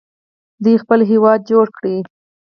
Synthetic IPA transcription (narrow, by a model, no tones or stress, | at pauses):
d̪ujxpəlɦewɑd̪̚d͡ʒoɽkɽi